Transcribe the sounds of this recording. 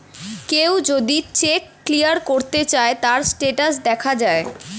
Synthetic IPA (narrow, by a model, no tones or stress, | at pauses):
kewd͡ʑod̪it͡ɕekːlijaɾkoɾt̪et͡ɕaet̪aɾsʈeʈas̬d̪ɛkʰad͡ʑae